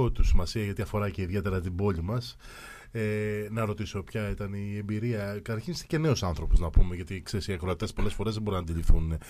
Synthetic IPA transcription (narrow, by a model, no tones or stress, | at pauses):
ot̪usimɐsiɐʝɐt̪iɐfo̞ɾɐce̞iðʝe̞t̪e̞ɾɐt̪ibo̞ʎimɐs | enɐɾo̞t̪iso̞pçɐit̪ɐnie̞mbiɾiɐkɐt̪ɐɾçinst̪i̥ce̞ne̞o̞sɐnθɾo̞poznɐpumeʝɐt̪ikse̞siɐkɾoɐt̪it̪espo̞lesfo̞ɾe̞zðebo̞ɾinɐnd̪iʎifθun